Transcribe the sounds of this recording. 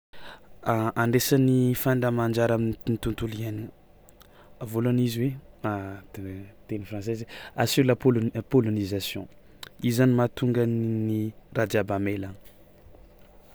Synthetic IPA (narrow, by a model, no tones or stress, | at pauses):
aʔaɳɖ͡ʐesanifaɳdamand͡ʒaɾaminnit̪unt̪uliani | avolaniziwe | t̪enifrɑ̃s̬ezeasulapolpolonizasjɔ̰̃ | izanimat̪uŋɡannirad̪iabamelan